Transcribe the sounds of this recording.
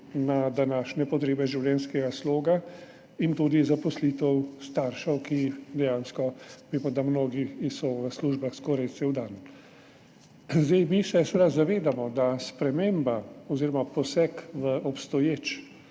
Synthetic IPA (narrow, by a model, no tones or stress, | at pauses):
nad̪anaːʃnɛpɔt̪ɾeːbɛʒiwlʲɛnskɛɡasloːɡa | int̪uːd̪izapɔslit̪ɛwst̪aːɾʃɔwkid̪ɛjãːnskɔʋeːmɔd̪amnoːɡiisɔʋəsluːʒbaxskɔɾɛj̪sɛwd̪an | zd̪ejmisɛsʋed̪azaʋeːd̪amɔd̪aspɾɛmeːmbaɔziːɾɔmapɔsɛkʋəʔɔpst̪ɔjeːt͡ʃ